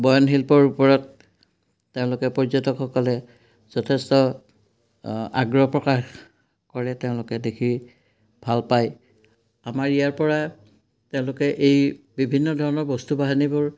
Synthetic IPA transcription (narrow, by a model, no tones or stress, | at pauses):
bɔjɔnɦilpɔɹupɔɹɔtː | eʊ̃lʊkɛpɔɹzɔtɔkxɔkɔlɛ | z̥ɔtʰestɔ | a̰ɡɹɔpɹɔkax | kɔɹɛteʊ̃lʊkɛdekʰi | b̥ʱalpaj | amaɹijaɹpɔɹa | teʊ̃lʊkɛʔej | bibʱinːɔdʱɔɹɔnɔɹbɔstubaɦanibʊɹ